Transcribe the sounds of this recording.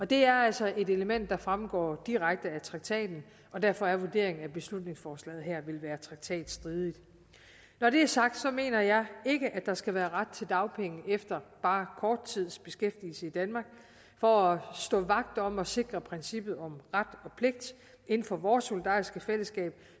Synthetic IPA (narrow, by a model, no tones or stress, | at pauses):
ɒ̽d̥e̝æɐælsɒ̽ʔe̝de̝ləmen̰d̥ːɑ̈fʁamɡ̥ɒ̰ːd̥iʁaɡ̥̚d̥əæt͡sʰʁɑ̈ɡ̥̚t͡sʰɛ̰ːd̥n̩ | ɒ̽d̥æɐ̰fɒ̽æɐʋuɐd̥e̝̰ɐ̰e̝ŋn̩æb̥e̝slud̥ne̝ŋsfɒːslɛ̰ːð̩ˠɦæɐ̰ʋe̝lʋæːɐt͡sʰʁɑ̈ɡ̥̚t͡sʰɛ̰ːd̥sd̥ʁiːðˠid̥ | nɒɾe̝æɐsɑ̈ɡ̥̚d̥sɒ̽me̝̰ːnɐjɑ̈ɪe̝ɡ̥əʔæ̥ɑ̈sɡ̥æʋæːɐʁad̥̚t͡sʰe̝ld̥ɑ̈ʊpʰeŋəefd̥ɐb̥ɑ̈ːkʰɒːd̥̚t͡sʰið̞̰ˠsb̥e̝sɡ̥efd̥iːl̩səid̥ænmɑ̈ːɡ̥ | fɒ̽æsd̥ɔ̰̽ːʋɑ̈ɡ̥̚d̥ɒ̽mɒ̽se̝ɡ̥ʁɐpʰʁɛnsib̥ð̞̩ˠɒ̽mʁad̥ɒ̽pʰle̝ɡ̥̚d̥ | ʔe̝nn̩fɒ̽ʋɒːso̝lid̥ɑ̰̈ːisɡ̥əfel̰əsɡ̥ɛ̰ːb̥